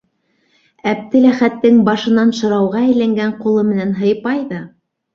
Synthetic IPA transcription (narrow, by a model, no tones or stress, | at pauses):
æp̚t̪ɘlæχæt̪ːɘŋbɑʃɤ̆nɑnʃɤ̆ɾɑwʁɑæjlæŋɡæɴqulˠɤmɘ̆nænɦɤ̆jpɑjðɑ